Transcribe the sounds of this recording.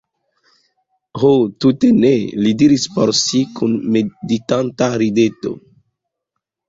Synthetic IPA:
hotutenelidiɾispoɾsikunmeditantaɾideto̰

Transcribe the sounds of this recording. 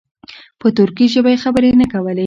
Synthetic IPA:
pət̪ʊɾkiʒəbajexabəɾenakawəle

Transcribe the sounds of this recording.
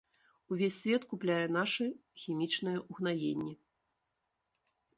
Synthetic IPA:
uvʲesʲːvʲɛt̪kuplʲajɛn̪aʂɨxʲimʲit͡ʂnɨjɛuɣnajḛnʲːɛ

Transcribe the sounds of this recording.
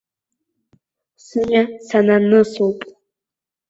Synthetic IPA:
sɨɲasananɨsuwpʼ

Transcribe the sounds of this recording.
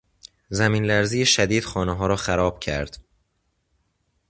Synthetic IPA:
zæmiːnlæɾzijeʃæd̪iːd̪̥xɒːneɦɒːɾɒːxæɾɒːb̥̚cʰæ̰ɾd̪̥

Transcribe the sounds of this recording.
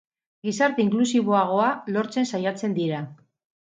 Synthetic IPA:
ɡisaɾt̪e̞iŋklusiβo̞aɣ̞o̞alo̞ɾt͡se̞nsajat͡se̞nd̪iɾa

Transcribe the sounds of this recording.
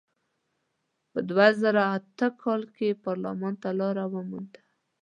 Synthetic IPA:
pəd̪wazaɾaːt̪əkʰɑlkepɑɾla̰mɑnt̪alɑɾawəmund̪ḁ

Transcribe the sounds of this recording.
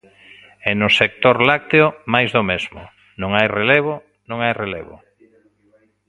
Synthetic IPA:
ɛnʊsek̚t̪oɾlak̚t̪eʊmajzðomezmʊ̰ | nõŋajreleβo | nõŋajreleβʊ̰

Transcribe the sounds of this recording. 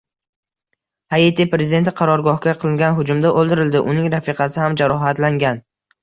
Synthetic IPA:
haet̪ʰipɾezʲɪd̪e̞nt̪ʰɪqʰɑɾɒɾɡɒhkʲaqʰɨlˠɪŋɡʲanɦʊd͡ʒʊmd̪aʔolˠd̪ɪɾɪld̪ɪʔʊnɪŋɾafɪqʰɑsɪhamd͡ʒaɾɒɦat̪laŋɡʲan

